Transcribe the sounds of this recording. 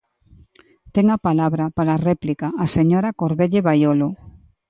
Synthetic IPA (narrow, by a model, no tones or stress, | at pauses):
t̪eŋapalaβɾɐpaɾarɛplikaːseɲoɾakoɾβeʎeβajolo